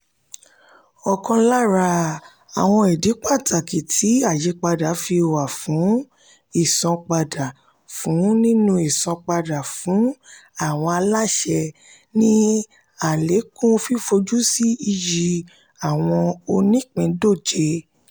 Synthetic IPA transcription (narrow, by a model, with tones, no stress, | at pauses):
ɔ˧kɔ̃˧la˦ɾa˧ | a˨w̃ɔ̃˧i˨di˨˦k͡pa˦˨tʰa˨ki˨tʰi˨˦a˦˨je˨˧˦k͡pa˧da˨˦fi˧˨wa˨fũ˨˦ | i˦˨sɔ̃˧k͡pa˧da˨ | fũ˨˦nĩ˦nũ˧i˨sɔ̃˧k͡pa˧da˨fũ˨˦a˦˨w̃ɔ̃˧a˧la˦ʃɛ˧ | nĩ˦ | a˨le˨˦kũ˦o˧fi˦fo˧d͡ʒu˦si˦i˧ji˧ | a˨w̃ɔ̃˧o˧nĩ˦˨k͡pɛ̃˨˧˦do˦˨d͡ʒe˧